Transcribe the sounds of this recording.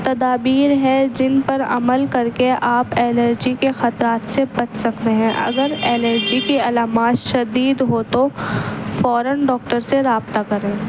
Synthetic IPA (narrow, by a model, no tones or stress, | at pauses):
t̪ɐd̪aːbiːɾɦɛd͡ʒɪnpɐɾɐ̰məlkɐɾkeʔaːpɛːləɾd͡ʒikexɐt̪ɾaːt̪sebɐt͡ʃsɐkt̪eɦɛ̃ʔɐ̰ɡəɾɛːləɾd͡ʒikiɐlaːmaːt̪ʃɐd̪iːd̪ɦot̪o | fɔːɾənɖɔːk̚ʈəɾseɾaːbt̪akɐɾẽː